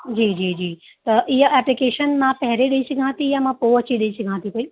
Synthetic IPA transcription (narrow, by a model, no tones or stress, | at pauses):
d͡ʑiːd͡ʑiːd͡ʑiː | t̪ɐʔiɦəʔɛplikeːʃənmãpɐɦɾeɗəisɐɡʱãːt̪ijãmãpoɐt͡ɕiɗəisɐɡʱãːt̪ʰikoi